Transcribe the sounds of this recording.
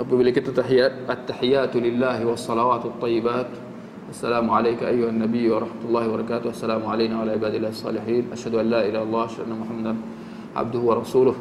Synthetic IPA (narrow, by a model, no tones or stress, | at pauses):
ʔɑb̪ˤibɪlːɪkɪt̪ːat̪ːaħjaʔat̪ːaħɪjːaːt̪lɪlːaːhwɑsˤːɑlɑwaːt̪wɑt̪ˤːɑjːɪbaːt̪ | ʔasːalaːmʊʕalaːkaʔajːʊhanːabɪjːwɑɾˤɑħmat̪ʊlːɑːhɪbɑɾˤɑkaːt̪ʊhʔasːalaːmʊʕalajnaːʕalaːʕɪbaːd̪ɪlːaːhsˤːɑ̰ːlɪħiːnʔaʃhad̪ʊʔanlaːʔɪlaːhɑlˤːɑːhʔaʃhad̪ʔanːamʊħamːad̪an | ʕa̰b̚d̪ʊhʊwɑɾˤɑsuːlʊh